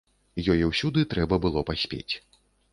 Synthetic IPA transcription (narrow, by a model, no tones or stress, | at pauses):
jɔjɛwsʲud̪ɨt̪ɾɛbɐbɨlˠɔpasʲpʲḛt͡sʲ